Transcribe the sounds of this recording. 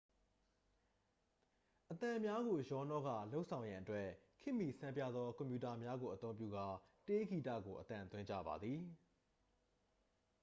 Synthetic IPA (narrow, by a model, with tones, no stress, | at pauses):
ʔət̪ã˨mja˦ɣo˨jɔ˨˦nɔ˦ɣä̰˦˨lo˦ʊʔsʰã˨jã˨ʔətwɛ˦kʰɪ̃˦˨mi˨sʰã˦mpja̰˦˨d̪ðɔ˦kɔ̃˨mpju˨ta˨mja˦ɡo˨ʔə˨t̪õ˦mpjṵ˦˨ɡa˨te˦ɡi˨ta̰˦˨ɡo˨ʔət̪ã˨nt̪wɪ̃˦ɲd͡ʑä̰˦˨ba̰˨d̪ði˨